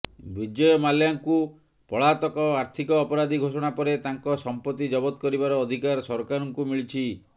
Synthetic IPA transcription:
bid͡ʒɔjɔmaljaŋku | pɔɭat̪ɔkɔaɾt̪ʰikɔːpɔɾad̪ʱiɡʱosɔɽ̃apɔɾet̪aŋkɔsɔmpɔt̪id͡ʒɔbɔt̪kɔɾibaɾɔːd̪ʱikaɾsɔɾkaɾɔŋkumiɭit͡ʃʰi

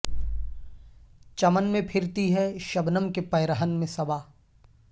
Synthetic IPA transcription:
t͡ʃɐmənmẽpʰɪɾt̪iɦɛʃɐbnəmkepɐjɾəɦənmẽsɐbaː

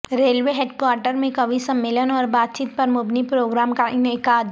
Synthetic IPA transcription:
ɾeːlʋeɦeːɖkwaːɾʈəɾmẽkɐʋisɐmːeːlənɔːɾbaːt̪̚t͡ʃiːt̪̚pɐɾmʊbnipɾoːɡɾaːmkaʔɪnɪkaːd̪

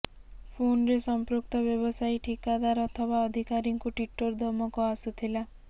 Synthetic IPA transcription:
pʰonɾesɔmpɾuk̚t̪ɔbjɔbɔsajʈʰikad̪aɾɔt̪ʰɔbaɔd̪ʱikaɾiŋkuʈwiʈoɾd̪ʱɔmɔkɔasut̪ʰila

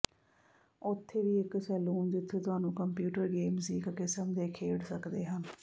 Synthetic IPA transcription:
ʊt̪ʰːeːʋiːɪksɛːluːnd͡ʒɪt̪ʰːeːt̪ʊaːnũːkəmpjuːʈəɾɡeːmsiːɪkːkɪsəmd̪eːkʰeːɽsəkd̪eːɦən

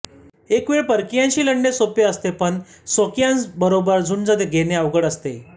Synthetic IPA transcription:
ekʋeɭpəɾkijãɲt͡ɕiːləɳːesopjəəst̪epəɳ | sokijãnbəɾobəɾd͡zʱuːnd͡zəd̪eɡʱeneəʋɡəɽəst̪e

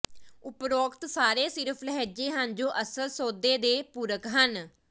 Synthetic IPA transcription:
ʊpɾoːkt̪saːɾeːsɪɾəpʰlɦɛːd͡ʒeːɦənd͡ʒoːʔəsəlsoːd̪eːd̪eːpuːɾəkɦən

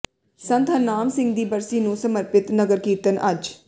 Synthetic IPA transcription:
sə̃nt̪ɦənaːmsɪ̃ŋɡd̪iːbəɾsiːnũːsəməɾpɪt̪nəɡəɾkiːt̪ənʔəd͡ʒ

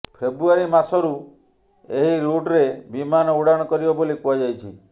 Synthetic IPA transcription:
pʰebɾuaɾimasɔɾu | eɦiɾuʈɾebimanɔuɽaɽ̃ɔkɔɾibɔbolikuad͡ʒajt͡ʃʰḭ

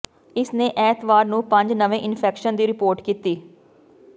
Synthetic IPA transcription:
ɪsneːʔɛːt̪ʰʋaːɾnũːpə̃ɲd͡ʒnəʋẽːʔɪnpʰɛːkʃənd̪iːɾɪpoːɾʈkiːt̪iː

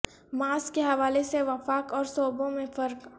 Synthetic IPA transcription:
maːskeɦɐʋaːleseʋɐfaːkɔːɾsɔːbõmẽfɐɾk

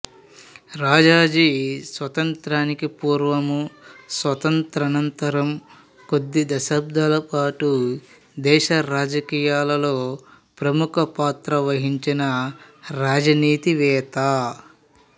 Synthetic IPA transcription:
ɾaːd͡ʒaːd͡ʒisʋɐt̪ɐnt̪ɾaːnikipuːɾʋɐmusʋɐt̪ɐnt̪ɾɐnɐnt̪ɐɾɐm | ko̞d̪ːid̪ɐʃɐb̚d̪ɐlɐpaːʈu | d̪ɛːʃɐɾaːd͡ʒɐkiːjaːlɐlo̞ː | pɾɐmukʰɐpaːt̪ɾɐʋɐɦiɲt͡ʃinɐɾaːd͡ʒɐniːt̪iʋɛːt̪aː

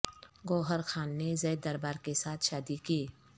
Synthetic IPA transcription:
ɡoːɦəɾxaːnːezɛːd̪d̪ɐɾbaːɾkesaːt̪ʰʃaːd̪ikiː

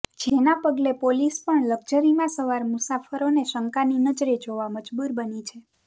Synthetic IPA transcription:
d͡ʒenapəɡlepolispəɳləɡd͡ʒəɾimãsəʋaɾmusafəɾoneʃəŋkaninəd͡ʒɾed͡ʒoʋaməd͡ʒbuɾbənit͡ʃʰe

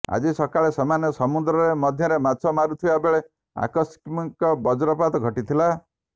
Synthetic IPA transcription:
a̰d͡ʒisɔkaɭesɔmanjɔsɔmud̪ɾɔɾemɔd̪ʱjɔɾemasʰɔmaɾut̪ʰiabeɭe | a̰kɔskmikɔbɔd͡ʒɔɾɔpat̪ɔɡʱɔʈit̪ʰila

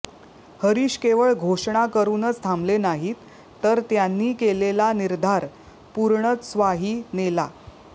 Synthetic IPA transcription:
həɾiːɕkeʋəɭɡʱoʂɳakəɾuːnət͡st̪ʰamblenaɦit̪ː | əɾt̪janːiːkelelaniɾd̪ʱaɾ | puɾɳət͡ssʋaɦiːnela

